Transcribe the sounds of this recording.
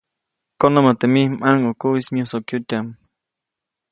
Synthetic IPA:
konamat̪emihmʔaŋukuismjosokjut̪am

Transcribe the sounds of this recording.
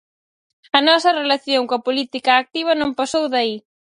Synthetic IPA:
ɐnɔsɐrelaθjoŋkoɐpolit̪ikɐːk̚t̪iβ̞ɐnõmpasowðɐi

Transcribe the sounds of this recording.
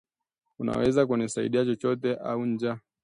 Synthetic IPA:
una̰wɛzak̬unisaḭɗiat͡ʃɔt͡ʃɔtɛʔauɲd͡ʒa

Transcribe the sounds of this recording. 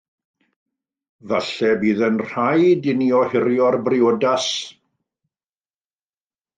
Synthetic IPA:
vaɬɛbiːðənr̥ajdɪnjɔhɪɾjɔrbrɪodas

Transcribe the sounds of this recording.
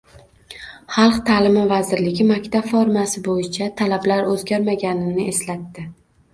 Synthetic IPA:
χɑlˠqt̪ʰaːlɪmɪvazɪɾlɪɡʲɪmakʲt̪ʰabfɒɾmasɪbojɪt͡ʃʰat̪ʰalablaɾɵzɡʲaɾmaɡʲanɪnɪʔeslat̪ːɪ

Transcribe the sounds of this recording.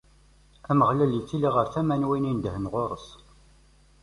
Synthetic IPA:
æməʁlæljit͡sːiliʁəɾθæmænwinind̪əhənʁoɾˤəs

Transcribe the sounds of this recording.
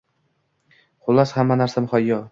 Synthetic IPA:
χʊlˠːashamːanaɾsamχɒjːɒ

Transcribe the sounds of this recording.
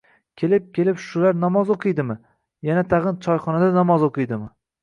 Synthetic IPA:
kʲʰe̞lɪp̚kʲe̞lɪpʃʊlaɾnɒmɒzoqʰɨjd̪ɪmɪ | janat̪ʰɑʁɨnt͡ʃʰɒjχɒnad̪anɒmɒzoqʰɨjd̪ɪmɪ

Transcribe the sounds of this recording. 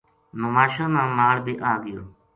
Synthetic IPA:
məʋaːʃãːmãːmaːɽbʱiːʔaːɡɪjo̰ː

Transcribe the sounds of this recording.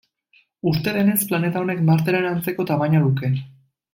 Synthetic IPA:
ust̪e̞ðe̞ne̞splane̞t̪aone̞kmaɾt̪eɾenant͡se̞ko̞t̪amaɲaðuke̞

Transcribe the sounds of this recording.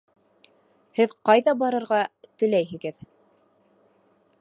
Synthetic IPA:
hɘðqɑjðɑbɑɾɤ̆ɾʁɑt̪ɵ̆læjɦɘ̆ɡɘð

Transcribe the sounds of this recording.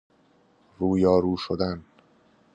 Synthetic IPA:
ruːjɒːɾuːʃod̪æn

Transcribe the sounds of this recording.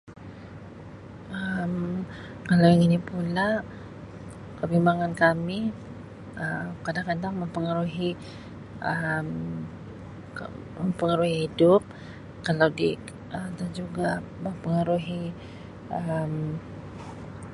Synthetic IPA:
ʔəm | kalawiŋinipula | kəbimbaŋankami | ʔəmkadaŋkadaŋməmpəŋəɾuɦi | ʔəm | məmpəŋəɾuɦihidʊp̚ | kalawdi | ʔədand͡ʒuɡaməmpəŋəɾuɦi | ʔəm

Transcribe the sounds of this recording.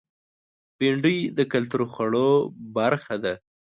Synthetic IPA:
peɳɖijd̪əkalt̪uɾxaɽobaɾxad̪a

